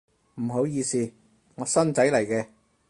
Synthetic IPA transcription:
m̩˨˩ɦo˨˥wjiː˧siː˧ | ŋɔː˨˧sɐ˥nt͡sɐ˨˥jlɐ˨˩jkɛː˧

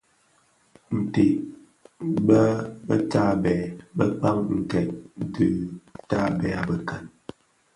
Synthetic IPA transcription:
n̩˨te˨ | bə˦bə̰˦ta˦˨bɛ˨bə˦k͡pa˦mŋ̩˨kɛ˨t̚dɨ˨ta˦bɛ˨a˨bə˨kə˨n

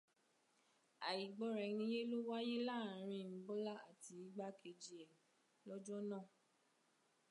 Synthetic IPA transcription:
a˨i˨ɡ͡bɔ˦ɾɛ˨ñĩ˧˦je˦lo˦wa˦je˦la˦˨ɾ̃ĩ˧˨n̩˨˦bɔ˦la˦a˨ti˧i˨˦ɡ͡ba˦kʰe˧d͡ʒi˨ɛ˨˦ | lɔ˦d͡ʒɔ˦nãː˦˨

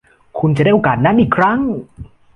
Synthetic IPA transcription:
kʰu˧nt͡ɕa˨da˥˩ʔoː˨˩kaː˨˩t̪̚naː˦˥nʔiː˨˩kʰɾa˦˥˩ŋ

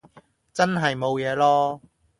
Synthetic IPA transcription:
t͡sɐ˥nɦɐ˨jmo˨˧wjɛː˨˧lɔː˥

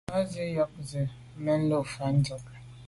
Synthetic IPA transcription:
ɔ˦zi˦jɔ˦k̚zɪ˨ | m̩˦me˦n̩˦lo˦˨fa˨n̩˦d͡ʒɔ˨ka˨

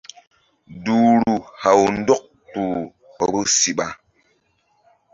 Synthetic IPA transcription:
duː˨ɾu˨ha˨wn̩˦dɔ˦k̚ | tu˨ | bə˦si˨ɓa˦

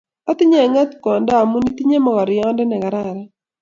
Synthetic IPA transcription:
ɔ˦t̪ɪ˦ɲɛ˦˨ŋa˦t̪kɔ˨nda˦˨mu˦ni˦ti˦ɲe˦mɔ˨kɔ˨ɾɪ˨ɔ˦ndɛ˦nɛ˨ka˨ɾa˦˨ɾa˦

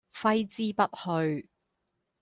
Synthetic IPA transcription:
fɐ˥jt͡siː˥pɐ˥t̚hɵ˧ɥ

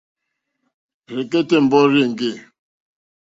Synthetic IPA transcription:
ɾe˨ke˦te˦˨m̩˨bɔ˦ɾe˦˨ŋ̩˨ɡe˦˨

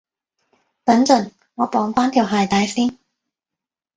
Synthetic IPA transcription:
pɐ˨˥nt͡sɵ˨˩n | ŋɔː˨˧pɔː˨˥ŋfaː˥nt̪ʰiː˨˩wɦaː˨jt̪aː˨˥jsiː˥n

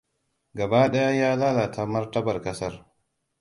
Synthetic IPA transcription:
ɡa˨baː˦ɗɐ˦ja˦jaː˦laː˦la˨tʰa˦mɐ˦ɾtɐ˦bɐ˨ɾkɐ˦sɐ˦ɾ

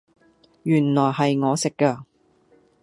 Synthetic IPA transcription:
jyː˨˩nlɔː˨˩jɦɐ˨jŋɔː˨˧sɪ˨kːɐ˧

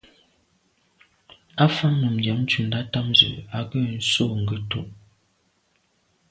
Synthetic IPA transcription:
a˦fa˦ŋnə˨m̩˨dja˨˦m̩˦t͡ʃu˨n̩˨da˦ta˦mzə̰˨a˨ɡə˦˨n̩˦so˦˨ŋ̩˨ɡə˦to̰˦˨ʔ

